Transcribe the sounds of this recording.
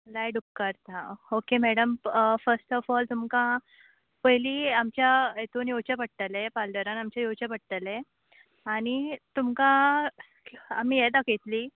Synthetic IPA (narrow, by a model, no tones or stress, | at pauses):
lajɖukkəɾt̪aokemɛɽəmfəɾsʈɔfɔlt̪umkã | pəɦjliːamt͡ɕjaet̪onjot͡ɕapəɽ̚t̪əlepalɖəɾanamt͡ɕjajot͡ɕapəɽ̚t̪əle | aɽ̃it̪umkã | amiːjed̪aket̪liː